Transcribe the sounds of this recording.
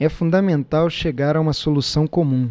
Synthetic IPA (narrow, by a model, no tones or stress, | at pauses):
ɛfũd̪ɐmẽnt̪awʃeɡaɾɐũmɐsolusɐ̃w̃komũ